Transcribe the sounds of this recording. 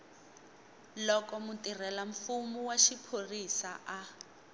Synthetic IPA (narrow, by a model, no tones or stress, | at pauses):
lɔkɔmutirɛlaɱfumuwaʃipʰorisaʔa